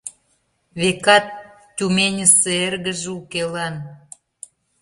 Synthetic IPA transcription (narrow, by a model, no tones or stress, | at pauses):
βekɑt̪̚ːʲ | umenʲəseerɣə̆ʒukelɑn